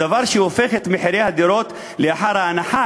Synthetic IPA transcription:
avaɾʃewofexet̪meħiɾehad̪iɾot̪ | leaħaɾaanaħa

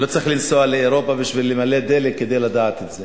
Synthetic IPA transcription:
lo̞t͡sʁiχlinsoaleːʁo̞pabiʃvilemaled̪elekːed̪e̞jlad̪aːt̪et̪ze

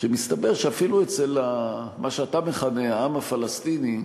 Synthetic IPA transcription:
ʃemist̪abe̞ʁʃeafiluet͡selamʔaʃeat̪ameχaneaamafalast̪ini

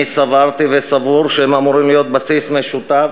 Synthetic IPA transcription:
isavaʁt̪ivesavuʁʃeemamuʁimlijo̞t̪̚basismeʃut̪a

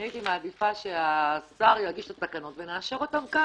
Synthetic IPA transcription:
ajit̪imaːd̪ifaʃeasaʁjaɡiʃet̪asakano̞tveneaʃeʁo̞tamka

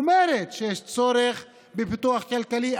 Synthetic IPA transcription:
meɾet̪ʃejeʃt͡soɾeχ | bepit̪uaχkalkali

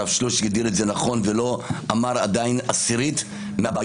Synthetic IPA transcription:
avʃluʃɡad̪iɾetzenaχo̞nvelo̞amaʁad̪ainasiʁit̪ | meaba

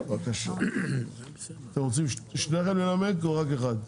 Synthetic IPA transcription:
vakaʃa | at̪emʁot͡simʃʃneaχemlelamedkoʁakeχad̪

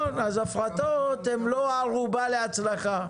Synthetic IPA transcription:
nazafʁat̪ot̪emloaʁubale̞at͡slaχa

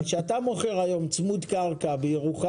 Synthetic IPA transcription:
nʃeat̪amo̞χe̞ʁhajo̞mt͡smud̪kaʁkabejeʁuχa

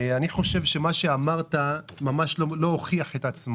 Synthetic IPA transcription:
aniχo̞ʃe̞vʃe̞maʃe̞amaʁtamamaʃlolo̞oχiaχe̞tat͡smo

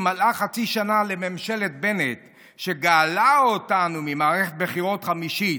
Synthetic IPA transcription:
malaχat͡siʃanale̞memʃe̞let̪̚be̞net̪ | ʃeɡaːlaotanumimaːʁeχet̚beχiʁo̞tχamiʃi

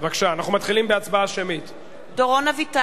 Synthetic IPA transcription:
vakʃaːnaχnumat̪χilimbeat͡sbaaʃemit̪ | doʁonavita

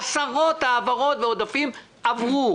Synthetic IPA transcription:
saʁo̞t̪aːvaʁo̞tveod̪afim | ʔavʁu

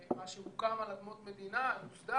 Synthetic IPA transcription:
maʃehukamalad̪mot̪med̪inaufd̪a

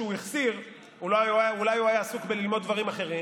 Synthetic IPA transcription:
ujiχsiʁ | ululajuajaːsukbelilmo̞d̪̚ːvaʁimaχe̞ʁi

